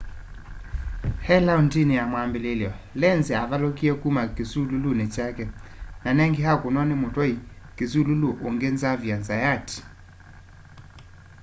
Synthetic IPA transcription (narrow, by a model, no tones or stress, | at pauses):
hɛlaontineamwambeleljɔ | lɛnzeavalokiɛkumakesululunet͡ʃakɛnanɛŋɡehakonɔnemotwɔikes̬ululoʔoŋɡenzavjanzajat